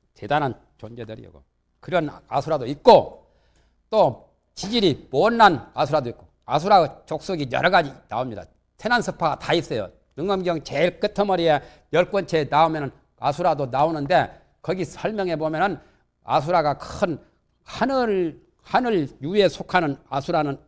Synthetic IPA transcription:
t͡ɕe̞danɦan | t͡ɕond͡ʑedɯɾḭʌ̰ɡo̰ | kɯɾʌna̰sʰuɾadoit̚k͈o | t͈o | t͡ɕid͡ʑiɾimonːanasʰuɾadoik̚k͈o | a̰s̬ʰuɾat͡ɕok̚s͈oɡijʌ̰ɾʌɡad͡ʑina̰omɲida̰ | tʰenansʰɯpʰaɡatais͈ʌjo̰ | nɯŋʌmɡjʌŋt͡ɕeiɭk͈ɯtʰʌmʌɾie | jʌɭk͈wʌnt͡ɕʰenaomjʌnɯn | a̰sʰuɾadonaonɯnde̞ | kʌɡisʰʌɭmjʌŋe̞bomjʌnɯn | a̰sʰuɾaɡakɯn | hanɯ | hanɯɭjue̞sʰokʰanɯna̰sʰuɾanɯn

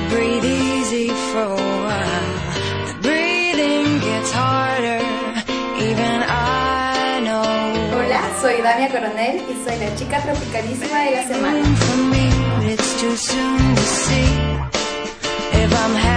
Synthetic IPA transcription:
bɹiðizifə | a | lˠ | bɹiðɪ̃ŋɡɛtshɑɹɾə˞ | ʔivɨ̃na | noʊolasoiðamiakoɾoneɾisoiðat͡ʃikat̪ɾofikanismaeɡasamaɪ̃ŋfəmːiʌɪtstʰʉsũntʰɨsi | ɪfãɪ̃m

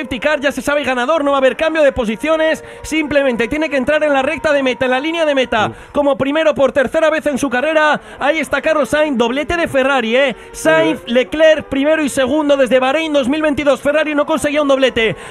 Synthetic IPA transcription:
ep̚t̪ikaɾʝase̞saβeiɣanaðo̞ɾno̞βaβe̞ɾkambjoð̞e̞po̞siθjo̞ne̞sːimple̞mẽnt̪e̞t̪je̞ne̞kent̪ɾaɾe̞nlare̞k̚t̪aðe̞me̞t̪aenlalinjaðe̞me̞t̪a | ko̞mo̞pɾime̞ɾo̞po̞ɾt̪e̞ɾθe̞ɾaβ̞e̞θe̞nsukare̞ɾa | aie̞st̪akaro̞sajnd̪o̞β̞le̞t̪e̞ð̞e̞fe̞raɾie | sajθlekleɾpɾime̞ɾoise̞ɣ̞und̪oðe̞zðe̞βaɾejnd̪o̞zmilβe̞nt̪iðo̞sfe̞raɾino̞ko̞nse̞ɣiaund̪o̞le̞t̪e̞

